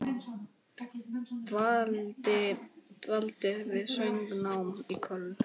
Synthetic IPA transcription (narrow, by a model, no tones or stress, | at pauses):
ɪt̪valt̪ɪvɪðsœjŋknawmikʰœlː